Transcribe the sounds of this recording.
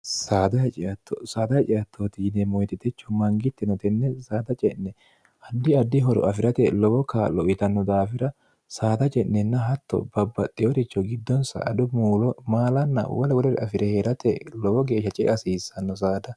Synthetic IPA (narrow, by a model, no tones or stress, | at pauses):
saːd̪ɐjt͡ʃʼɪɐt̪ʰːɔ̰saːd̪ɐjt͡ʃʼɪjɐt̪ʰːoːt̪iːnɛmɔjt̪ɪt̪ɛt͡ʃːɔmɐŋɡɪt̪ːɪnɔt̪ɛnːɛsaːd̪ɐt͡ʃʼɛnːɛ | ʔɐd̪ːɪɐd̪ːɪɦɔɾɔ̰ʔɐfɪɾɐt̪ɛlɔbɔkaːlːɔɪt̪ɐnːɔd̪aːfɪɾɐ | saːd̪ɐt͡ʃʼɛnːɛnːɐɦɐt̪ːɔ̰bɐbːɐt̪ʼːɪjɔɾɪt͡ʃːɔɡɪd̪ːɔnsɐ̰ʔɐd̪ʊmuːlɔmaːlɐnːɐ̰wɔlɛwɔlɛɾɛɐfɪɾɛheɾɐt̪ɛlɔbɔɡe̞ːʃɐt͡ʃʼɛ̰ʔɐsiːsːɐnːɔs̬aːd̪ɐ